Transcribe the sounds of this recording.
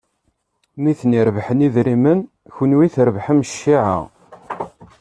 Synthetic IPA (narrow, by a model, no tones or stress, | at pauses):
miθniɾvħəniðɾimən | çənwiθəɾvħəmʃːiʕa̰ʁ